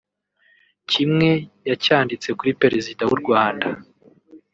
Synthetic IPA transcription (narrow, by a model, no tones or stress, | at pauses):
cimŋe̞jacaːndit͡se̞kuɾipe̞ɾezidawuɾɡwaːnda